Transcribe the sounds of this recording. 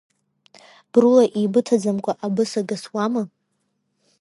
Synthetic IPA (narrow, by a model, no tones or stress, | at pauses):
b̥rɨlaʔibɨtʰad͡zamkʷʰʼaʔabɨsaɡaswamɨ